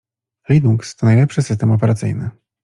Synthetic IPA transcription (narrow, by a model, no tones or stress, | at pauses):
linukst̪ɔnajlɛpʂɘsɘst̪ɛmɔpɛɾat̪sɘ̰jnɘ̰